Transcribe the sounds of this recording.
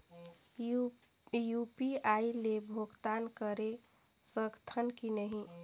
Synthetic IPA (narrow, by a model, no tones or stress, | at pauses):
jupiailebʱoɡt̪ankəɾe | səɡt̪ʰənkinəɦĩ